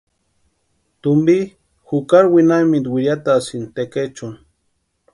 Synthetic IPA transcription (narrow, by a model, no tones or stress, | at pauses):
t̪umbi | xukaɾwinamid̪wiɾjat̪asint̪eket͡ʃun